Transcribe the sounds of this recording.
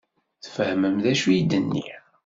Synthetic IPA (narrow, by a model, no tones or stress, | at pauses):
θfəhməmðæʃujid̪ənːḭ